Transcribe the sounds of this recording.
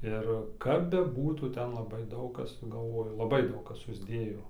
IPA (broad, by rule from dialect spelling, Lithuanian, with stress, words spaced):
ˈɪr kɐp bʲɛˈbuːtuː ˈtʲɛn lˠɐˈbɐɪ ˈdɐʊk ˈkɐs ɡɐlˠˈʋoːjʊ lˠɐˈbɐɪ ˈdɐʊk ˈkɐs sʊzʲˈdʲeːjoː